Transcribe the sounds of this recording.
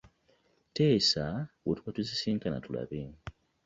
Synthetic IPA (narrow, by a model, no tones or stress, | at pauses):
te̞ːsawotuβatuzisiːŋkana̰tula̰βe